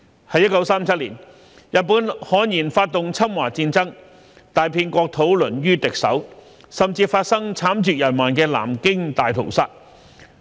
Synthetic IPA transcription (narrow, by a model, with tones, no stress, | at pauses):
hɐ˨˧jːɐ˥t̚kɐ˨˥wsaː˥mt͡sʰɐ˥t̚liː˨˩n | jɐ˨t̚puː˨˥nhɔː˨˥njiː˨˩nfaː˧t̚t̪ʊ˨ŋt͡sʰɐ˥mwaː˨˩t͡siː˧nt͡sɐ˥ŋ | t̪aː˨jpʰiː˧nkɔː˧k̚t̪ʰo˨˥wlɵ˨˩njyː˥t̪ɪ˨k̚sɐ̰˨˥w | sɐ˨mt͡siː˧faː˧t̚sɐ˥ŋt͡sʰaː˨˥mt͡ʃyː˨˩jɐ˨˩nmaː˨˩nkɛː˧la̰ː˨˩mkɪ˥ŋt̪aː˨jt̪ʰo̰˨˩wsaː˧˥t̚